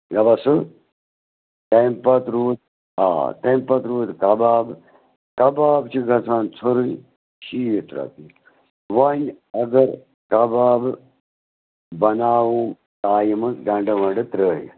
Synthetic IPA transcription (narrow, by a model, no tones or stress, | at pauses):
ɡɐbɐsɨ | t̪empɐt̪ɾuːt̪̚ | ɦa̰ːt̪ẽmpɐt̪ɾuːt̪kɐbaːb | kɐbaːbt͡ʃʰiɡʱɐsʰaːnt͡sʰoɾuj | ʃiːjit̪ɾɐ̰t̪i | ʋɐnʲ | ɐɡɐɾ | kɐbaːb | bɐnaːʋu | t̪aːjimɨsɡɐ̃ɳɖɐʋɐ̃ɖɨt̪ɾəːj̰